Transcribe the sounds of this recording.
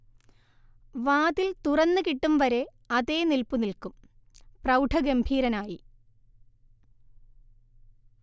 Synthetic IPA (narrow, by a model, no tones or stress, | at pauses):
ʋaːðilt̪urɐnːɨkiʈːumʋɐɾe̞ | ɐðeːnilpunilkum | prɐwʈʰɐɡembʱiːɾɐnaːji